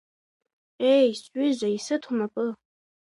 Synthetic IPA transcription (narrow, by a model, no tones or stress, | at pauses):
ejsɥʏzʷaisɨtʰʊmapʼɨ